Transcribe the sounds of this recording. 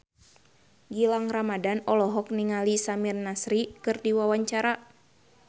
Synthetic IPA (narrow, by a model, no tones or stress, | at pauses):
ɡilaŋramadanɔlɔɦɔk̚niŋalisamirnasɾikɨrdiwawaɲt͡ʃaɾa